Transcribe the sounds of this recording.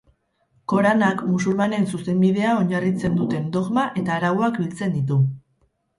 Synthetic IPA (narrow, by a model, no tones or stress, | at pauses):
ko̞ɾanakmusulmane̞nsuse̞mbið̞e̞ao̞ɲarit͡se̞nd̪ut̪e̞nd̪o̞ɣmaʔe̞t̪aːɾawoakbilt͡se̞nd̪it̪̬u